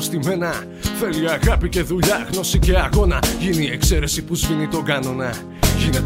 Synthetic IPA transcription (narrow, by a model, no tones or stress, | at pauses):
st̪ime̞nɐ | θe̞liɐɣɐpice̞ðuʎɐɣno̞sice̞ɐɣo̞nɐʝiniːekse̞ɾe̞sipuzvinit̪o̞ɡɐno̞nɐ | ʝinet̪